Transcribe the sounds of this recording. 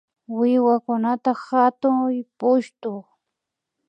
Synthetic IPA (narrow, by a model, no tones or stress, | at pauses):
wɪwakʊnat̪axat̪ʊŋjpʊʃt̪ʊ